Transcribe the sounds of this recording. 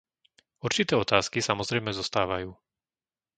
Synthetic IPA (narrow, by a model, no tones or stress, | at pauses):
uɾt͡ʃit̪ɛːɔt̪aːskisamɔzɾɛjmɛzɔst̪aːʋajuː